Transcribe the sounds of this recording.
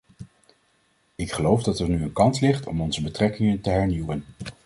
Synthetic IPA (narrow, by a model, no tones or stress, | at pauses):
ɪkχəlowvdɑtɛɹnyənkɑntlɪχtɔ̰mɔnzəbətrɛkɪŋəntəɦɛɹniwən